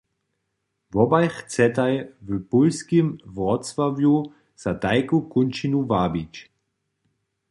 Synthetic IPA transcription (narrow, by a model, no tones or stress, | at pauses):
vɔbajxt͡sɛtajvəpulskimvɔtsvavju | z̥adaɪkukʊnt͡ʃinuvaːbit͡ʃ